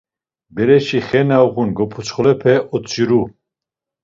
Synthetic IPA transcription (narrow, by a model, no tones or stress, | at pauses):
bɛɾɛʃiχɛnauɣunɡɔpʰut͡sχɔlɛpʰɛʔɔt͡sʰʼiɾu